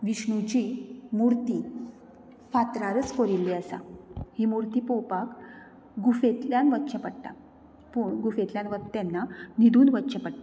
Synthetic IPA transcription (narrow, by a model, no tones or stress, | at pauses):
ʋiɕɳut͡ɕiːmuɾt̪i | fat̪ɾaɾət͡skoɾilːiəsa̰himuɾt̪iːpowpak | ɡufet̪ljanʋət̪ːt͡ɕəpəɽt̪a | puɳɡufet̪ljanʋət̪anːanid̪ʱuːnʋət̪t͡ɕəpəɽt̪a